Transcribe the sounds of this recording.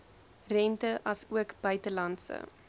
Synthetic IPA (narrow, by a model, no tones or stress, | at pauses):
rɛntəʔɐsuəkb̥œɥtəlɐntsə̰